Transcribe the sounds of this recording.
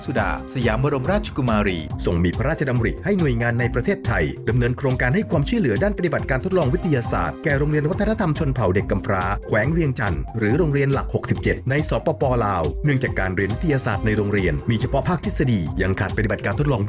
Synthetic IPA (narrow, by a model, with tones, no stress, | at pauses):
su˨˩da̰ː˨˩sa˧jaː˩˦mba˧ɾo˧mɾaː˥˩t̪̚t͡ɕʰḁ˧ku˧maː˧ɾiː˧so˨˩ŋmiː˧pʰa˦˥ɾaː˥˩t͡ɕʰa˧da˧mɾi˨˩ha˥˩jnu˨˩əjŋaː˧nːa˧jpɾa˧t̪ʰeː˥˩t̪ʰːa˧jda˧mnɤː˧nkʰɾoː˧ŋkaː˧nɦa˥˩jkʰwaː˧mt͡ɕʰu˥˩lɯ˩˦ɐdaː˥˩npa˧t̪i˨ba˨˩t̪̚kaː˧nt̪ʰo˥t̪̚lɔː˧ŋwi˦˥t̪ʰːa˧jaː˧sa̰ː˨˩t̪̚kɛː˨˩ɾoː˧ŋɾi˧ənwa˥t̪ʰːa˧na˦˥t̪ʰa˧mt͡ɕʰo˧npʰa˨˩˦wde˨˩kːa˧mpʰɾaː˦˥kʰwɛː˩˦ŋɾi˧əŋt͡ɕa˧nɾɯː˩˦ɾoː˧ŋɾi˧ənla˨˩k̚ho˨˩k̚si˨˩p̚t͡ɕe˨˩t̪̚na˧jsɔː˦pɔː˧pɔː˧laː˧wnɯ˥˩əŋt͡ɕaː˨˩kːaː˧nɾi˧nwi˦˥t̪ʰːa˧jaː˧saː˨˩t̪̚na˧jɾoː˧ŋɾi˧ənmiː˧t͡ɕʰa˧pʰɔ˦˥ʔpʰaː˥˩k̚t̪ʰe˦˥t̚sa˧diː˧ja˧ŋkʰaː˨˩t̪pt̪i˨˩ba˨˩kaː˧nt̪ʰt̪̚lɔː˧ŋ